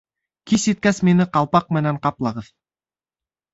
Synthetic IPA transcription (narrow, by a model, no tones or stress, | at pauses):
kʲʰiset̪̚kʲæsmenɪqɑlˠpɑq̚mɘnæɴqɑplˠɑʁəð̥